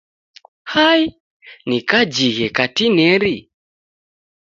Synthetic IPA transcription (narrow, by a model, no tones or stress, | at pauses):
hai | nikad͡ʒiɣɛkatinɛɾi